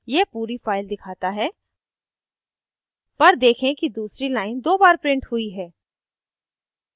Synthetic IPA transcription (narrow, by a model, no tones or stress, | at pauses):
jeːpuːɾifaːɪld̪ɪkʰaːt̪aɦɛː | pɐɾd̪eːkʰẽkid̪uːsɾilaːɪnd̪oːbaːɾpɾɪ̃ɳʈhʊiɦɛː